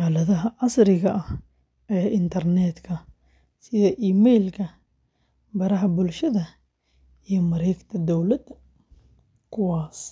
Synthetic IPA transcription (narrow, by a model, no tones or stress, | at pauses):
aːlɐðɐɦɐʕɑsɾɪɣɐʔɐh | ʔɛːʔɪnt̪ʰɐrnɛːd̪kʰɐ | sɪðɐʔiːmɛjlkʰɐ | bɐɾɐɦɐbʊlʃɐðɐ | ijɔmɐɾɛjkt̪ʰɐd̪ɔwlɐd̪ | kʰʊwaːs